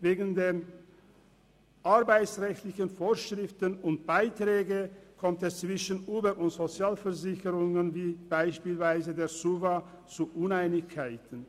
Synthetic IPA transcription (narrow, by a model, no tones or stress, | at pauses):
veːɡən̩deːn | ʔaɐbaɪt͡sʁɛçtlɪçənfoːɐʃʁ̥ɪftənʊnt̚b̥aɪtʁ̥ɛːɡəkʰɔmtɛst͡sv̥ɪʃənuːbəɾʊntz̥ot͡sjaːlfɛɐzɪçəʁʊŋənviːb̥aɪʃpiːlvaɪzədeːɐzuva | t͡suʔʊnaɪnɪçkʰaɪtən̩